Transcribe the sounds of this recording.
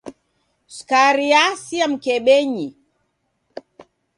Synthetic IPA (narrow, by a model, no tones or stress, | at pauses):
skaɾiasiam̩kɛɓɛɲi